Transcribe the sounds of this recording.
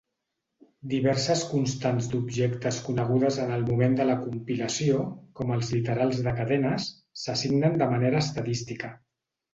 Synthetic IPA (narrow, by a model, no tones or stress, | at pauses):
d̪iβɛɾsəskunst̪anzd̪ubʒekt̪əskunəɣ̞uðəzənəlˠmumend̪ələkumpiləsiokɔməlˠzlit̪əɾalˠzðəkəðɛnəsː | əsiɡnənd̪əməneɾəːst̪əðist̪ikə